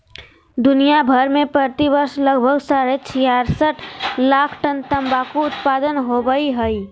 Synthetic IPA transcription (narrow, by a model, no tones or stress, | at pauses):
d̪ʊnijabʱəɾmẽpɾət̪ibəɾsləɡbʱəɡsaɾet͡ʃʰijaɾsəʈʰlakʰʈənt̪əmbakoʊt̪pad̪ənɦobəiɦəi